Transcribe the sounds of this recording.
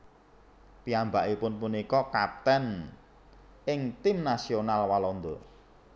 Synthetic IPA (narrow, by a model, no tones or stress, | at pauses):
piambaʔipʊnpunikɔkap̚t̪ɛn | ʔɪŋt̪ɪmnasionalwalɔnd̪o̰